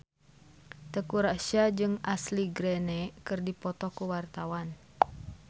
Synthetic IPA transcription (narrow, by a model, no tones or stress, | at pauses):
t̪əkuɾaʃad͡ʒɨŋasliɡɾɛnɛkɨrdipɔt̪ɔkuwart̪awan